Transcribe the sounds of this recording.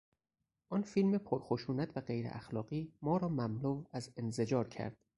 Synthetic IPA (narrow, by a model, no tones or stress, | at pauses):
ʔɒːnfilmepʰoɾxoʃuːnæt̪ʰvæɢejɾḛʔæxlɒːɢiːmɒːɾɒːmæmluːvæzenzed͡ʒɒːɾcʰæ̰ɾd̪̥